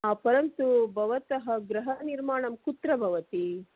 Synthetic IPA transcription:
aːpɐɾɐnt̪ubʱɐʋɐt̪ɐɦɐ̆ɡɾɐɦɐniɾmaːɳɐmkut̪ɾɐbʱɐʋɐt̪i

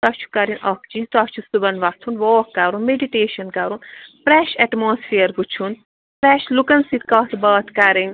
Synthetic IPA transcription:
t̪ɐt͡ʃʰu̥kɐɾinɐkt͡ʃit̪ɐt͡ʃʰusubɐnʋɐt̪ʰunʋɔːkkːɐɾunmeɖiʈeːʃɐnkɐɾunpɾɛʃɛʈmoːsfʰeːɾput͡ʃʰun | pɾɛʃlukɐnsit̪kɔːt̪ʰbɐːt̪ʰkɐɾiŋ

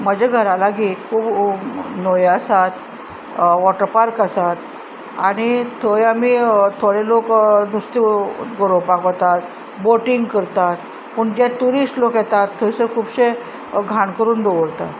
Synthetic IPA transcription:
məd͡ʑaɡʱəɾalaɡiːt̪kʰuːbnojəsat̪ | ʋɔʈəɾpaɾkəsat̪ | a̰ɽ̃it̪ʰəjamiːt̪ʰoɽeloknust̪iɡoɾopakot̪at̪ | boʈiŋɡkəɾt̪at̪ | pəɳd͡ʑɛ̃t̪uɾisʈlokjɛt̪at̪ʰːəjsəɾkʰuːbɕe | ɡʱaɳkəɾuːnd̪oʋəɾt̪a̰t̪

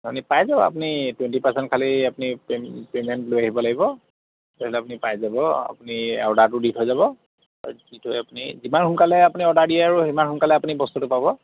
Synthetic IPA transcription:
apunipajzabɔ̰a̰punitwɛntipasɛntkʰaliapunippemɛntlojaɦibɔlaɡibɔ | tailɛap̬unipajzabɔa̰punia̰wdaɹtʊditʰɦojzaβɔ | aditɦojapunizimanxʊnkalɛapuniɔdaɹdiɛaɹuimanxʊnkalɛapunibɔst̪utʊpabɔ

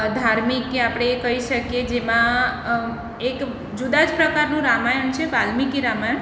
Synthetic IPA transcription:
d̪ʱaɾmikːeapɽ̃eːkəiʃəkjed͡ʒemã | ek | d͡ʒud̪ad͡ʒpɾəkaɾnũɾamajənt͡ʃʰebalmikiɾamajən

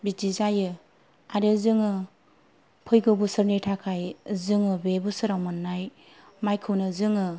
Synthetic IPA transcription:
bidizajɯ | aɾɯzɯŋɯ | pʰɯjɡɯbusɯɾnitʰakʰajzɯŋɯbebusɯɾawmɯnːaj | majkʰɯwnɯzɯŋɯ

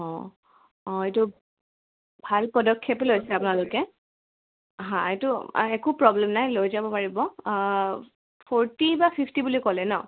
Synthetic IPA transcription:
ɔ̃ | ɔ̃etʊ | bʱalpɔdɔkʰːjeplojsɛapʊnalʊkɛ | ɦãetʊ̰ɛkupɹɔblɛmnajlojzabɔpaɹibɔ | pʰɔɹtibapʰipʰtibulikɔlɛnɔ

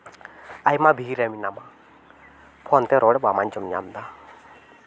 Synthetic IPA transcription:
ajmabʱiɾɛminama | pʰɔnt̪ɛɾɔɽɛbamant͡ʃɔmɲa̰md̪a

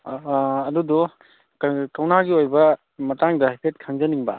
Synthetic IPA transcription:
ɐdudɔ | kawnaɡiojbɐ | mɐtaŋdɐhajpʰet̚kʰaŋzɐniŋbɐ̰

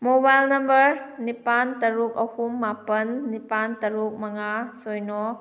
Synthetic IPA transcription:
mobajlnɐmbɐɾnipantɐɾukɐhumːapɐnːipantɐɾuk̚mɐŋasojnɔ

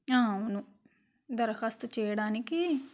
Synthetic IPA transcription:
ãːʊnũː | d̪əɾxast̪t͡ʃeːɽaːnikiː

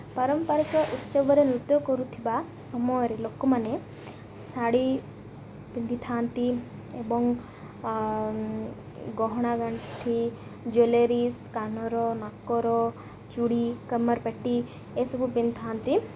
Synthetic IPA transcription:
paɾɔmpaɾikɔʔust͡ʃebɔɾenɾut̪jɔkɔɾut̪ʰiba | sɔmɔjɔɾelokɔmane | saɽi | pind̪ʱit̪ʰaːnt̪i | ebɔŋ | ɡɔɦɔɽ̃aɡaɳʈt̪ʰi | d͡ʒoleɾiskanɔɾɔnakːɔɾɔ | t͡ʃuɽikəmaɾpɛʈi | esɔbupind̪it̪ʰaːnt̪i

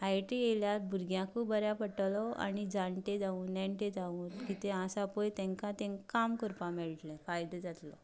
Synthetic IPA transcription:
ajʈieljaɾbʱuɾɡjãkubəɾjapəʈlɔa̰ɽid͡zãɳʈed͡zaũːnnɛ̃ɳʈed͡zaũːnkit̪easapojt̪ɛ̃ŋkãt̪ẽŋkamkəɾpameɭiʈlɛ̃fajd̪əd͡zat̪lɔ̰

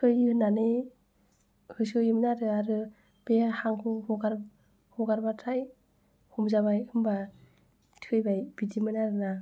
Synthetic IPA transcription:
ɯjɯnane | hɯsɯjɯmnaɾɯaɾɯ | b̥ehaŋkʰɯhɔɡaɾ | hɔɡaɾbatʰaj | hɔmzabajɯmba | tʰiɯjbajb̥idimɯnaɾɯna

